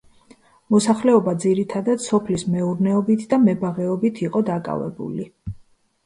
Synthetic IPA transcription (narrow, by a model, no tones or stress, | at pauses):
mɔsaχlɛɔbad̪ziɾit̪ʰad̪ad̪sɔpʰlismɛuɾnɛɔbit̪ʰd̪amɛbaʁɛɔbit̪ʰiqʼɔd̪akʼa̰vɛ̰bṵli